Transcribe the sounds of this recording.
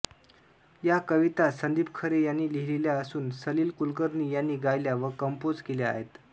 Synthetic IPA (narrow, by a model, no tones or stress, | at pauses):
jakəʋit̪asənd̪iːbkʰəɾejanːiːliɦleljaəsuːnsəliːlkulkəɾniːjanːiːɡajljaʋəkəmpod͡zkeljaa̰ɦet̪